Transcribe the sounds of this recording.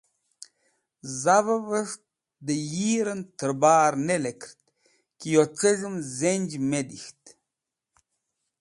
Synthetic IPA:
zavəvəʂt̪ | d̪əjiːɾənt̪ʰəɾbaːɾnelekɾt̪ | kijot͡səʐɨmzenʲd͡ʒmed̪ixt̪

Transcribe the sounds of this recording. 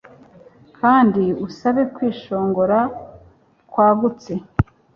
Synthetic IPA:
kʰaːndiusaβe̞kwiːʃo̞ːŋɡo̞ɾa | kwaːɡut͡se̞

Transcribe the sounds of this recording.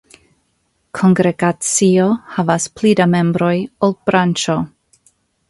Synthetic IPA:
kʰo̞ŋɡɾeɡat͡siohavasplidame̞mbɾo̞jolb̥ɾant͡ʃo

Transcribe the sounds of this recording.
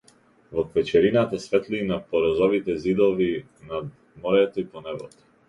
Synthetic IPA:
vɔkvɛt͡ʃɛɾinat̪asvɛt̪linapɔɾɔzɔvit̪ɛzid̪ɔvi | nad̪ | mɔɾɛt̪ɔipɔnɛvɔ̰t̪ɔ̥

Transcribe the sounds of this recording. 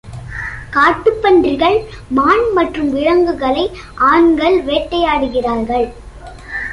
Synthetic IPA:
kaːʈːɯpːɐndrɪɣɐɭ | maːnmɐʈrɯmʋɪɻɐŋɡɯɣɐɭɐɪ | ʔaːɳɡɐɭʋeːʈːɐjaːɽɯɣɪraːɾɣɐɭ

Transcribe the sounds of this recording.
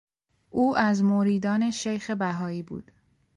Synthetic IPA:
ʔuːʔæzmoɾiːd̪ɒːne̞ʃejxebæɦɒːiːbṵːd̪̥

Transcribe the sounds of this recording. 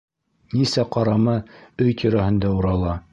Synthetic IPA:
nisæqɑɾɑmɤɵjt̪ʲʰiɾæhɘ̆nd̪æuɾɑlˠɑ

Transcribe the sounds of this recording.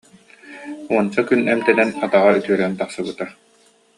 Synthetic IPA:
uɔnt͡ɕakynɛmt̪ɛnɛnat̪aʁayt̪yœɾɛnt̪aχsɯbɯt̪a

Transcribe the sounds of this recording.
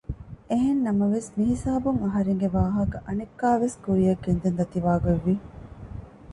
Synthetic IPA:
eɦenːɐmɐʋesmiɦisaːbuŋɐɦɐɾeŋɡeʋaːɦɐkɐʔɐnekːaːʋeskuɾijɐkːend̪end̪ɐt̪iʋaːɡɐʋːi

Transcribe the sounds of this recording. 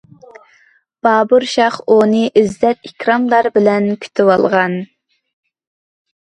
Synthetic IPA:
b̥ɑːbuɾʃɑχonɨʔizlɛt̪ikʲɾɑmlˠɑɾbɪlɛnkʲʰy̥t̪ʰɪwɑlˠʁɑn

